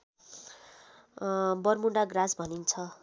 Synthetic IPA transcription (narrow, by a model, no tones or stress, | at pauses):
bʌrmuɳɖaɡrasbʱʌnint͡sʰʌ